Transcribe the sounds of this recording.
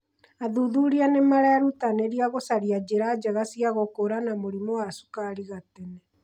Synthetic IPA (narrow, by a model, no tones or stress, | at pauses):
aðuðuɾianemaɾɛɾutaneɾiaɣosaɾiad͡ʑeɾad͡ʑaɣasiaɣokoɾanamoɾimowasu̥kaɾiɣatɛnɛ